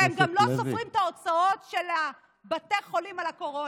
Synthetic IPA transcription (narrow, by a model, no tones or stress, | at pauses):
emɡamlo̞sofʁimt̪ao̞t͡sao̞t̪ʃela | bat̪eʁχo̞limalako̞ʁo